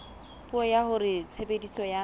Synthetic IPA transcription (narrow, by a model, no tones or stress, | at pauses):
puɔjahʊrɪt͡sʰebedisɔja